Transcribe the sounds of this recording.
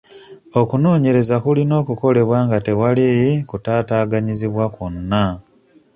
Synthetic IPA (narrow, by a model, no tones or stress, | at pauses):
o̞kuno̞ːɲe̞ɾe̞zakulino̞ːkuko̞le̞βwaːŋɡate̞walejikutaːtaːɡaɲiziβwakonna